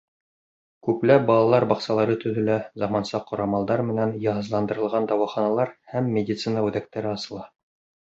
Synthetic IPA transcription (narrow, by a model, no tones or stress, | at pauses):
kʉplæp̚bɑlˠɑlˠɑɾbɑqsɑlˠɑɾɤt̪ɵ̆ðɵ̆læzɑmɑnsɑqːŏɾɑmɑlˠd̪ɑɾmɘ̆nænjɑɦɤ̆zlˠɑnd̪ɤ̆ɾɤ̆lˠʁɑnd̪ɑwɑχɑnɑlˠɑɾhæmːʲedʲit̪sɨnəʉðæk̚t̪æɾɘɑsɤ̆lˠɑ